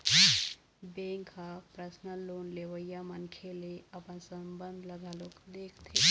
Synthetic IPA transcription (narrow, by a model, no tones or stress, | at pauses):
beŋkapɾəsnəloːnleʋəjamənkʰeleɐpənsəmbənd̪ʱləɡalokd̪eːkʰt̪ʰi